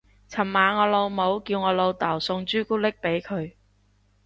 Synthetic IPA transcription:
t͡sʰɐ˨˩mmaː˨ŋɔː˨˧lo˨˧wmo˨˧wkiː˧wŋɔː˨˧lo˨˧wt̪aː˨˩wsʊ˧ŋt͡ʃyː˥kuː˥lɪ˥k̚pe˨˥jkʰɵ˨˧ɥ

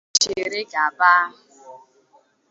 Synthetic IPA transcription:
t͡ʃɪ˨ɾɪ˦ɡa˨ba˦a˦ɦʊ˨

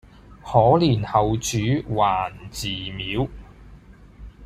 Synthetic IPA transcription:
hɔː˨˥liː˨˩nhɐ˨wt͡ʃyː˨˥waː˨˩nt͡siː˨˩miː˨˥w

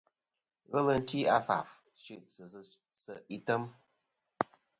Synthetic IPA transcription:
ɣə˦lə˦n̩˦ti˦a˦fa̰˨f | ʃi˦ʔ | sə˨i˦tə˦m

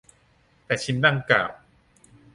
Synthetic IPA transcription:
t̪ɛː˨˩t͡ɕʰi˦nːa˥˩ŋka̰ː˨˩w

